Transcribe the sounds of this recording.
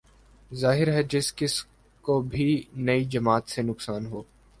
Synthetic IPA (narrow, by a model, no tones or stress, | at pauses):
zaːɦɪɾɦɛd͡ʒɪskɪs | kobʱinɐid͡ʒɐmaːt̪senʊksaːnɦoː